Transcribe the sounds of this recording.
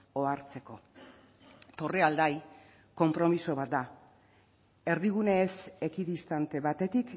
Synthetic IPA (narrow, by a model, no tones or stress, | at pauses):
o̞aɾt͡se̞ko̞ | t̪o̞reald̪aj | ko̞mpɾo̞miso̞βat̪̚d̪a | e̞ɾðiɣ̞une̞ːse̞kiðist̪ant̪e̞βat̪e̞t̪ik